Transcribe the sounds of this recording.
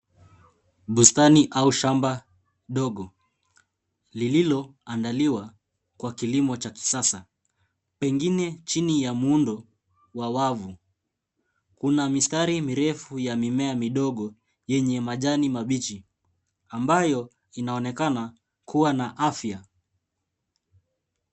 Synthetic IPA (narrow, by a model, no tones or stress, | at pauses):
ɓustaniʔauʃamba | ɗɔɠɔ | lililɔandaliwa | kwakilimɔt͡ʃaki̥sasa | pɛŋɡinɛt͡ʃinijamundɔ | wawavu | kunamistaɾimiɾɛfujamimɛamiɗɔɠɔ | jɛɲɛmaʄanimaɓit͡ʃi | ambajɔ | inaɔnɛkana | kuwanaʔafja